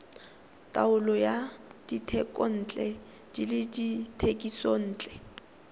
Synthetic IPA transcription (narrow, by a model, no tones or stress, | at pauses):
tʼaʊlɔjad̥itʰɛkʼɔn̩ːt͡ɬʼɛ | d͡ʒilɪditʰekʼison̩ːt͡ɬʼɛ